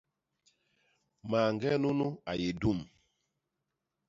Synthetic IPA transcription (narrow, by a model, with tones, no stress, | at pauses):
ma˨ŋɡɛ˦nu˦nu˦a˨je˨du˦˨m